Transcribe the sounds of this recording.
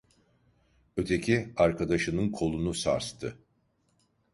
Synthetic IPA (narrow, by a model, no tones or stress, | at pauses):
ø̞t̪ʰe̞cʰiaɾkad̪aʃɯnɯnkʰo̞lˠunusa̰ɾst̪ʰɯ